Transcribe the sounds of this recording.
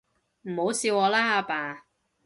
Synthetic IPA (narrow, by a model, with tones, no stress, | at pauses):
m̩˨˩ho˨˥wsiː˧wɔː˨˧laː˥a˧paː˨˩